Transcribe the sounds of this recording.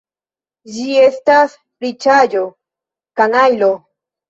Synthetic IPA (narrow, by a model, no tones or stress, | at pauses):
d͡ʒie̞st̪as | ɾit͡ʃajo | kanajlo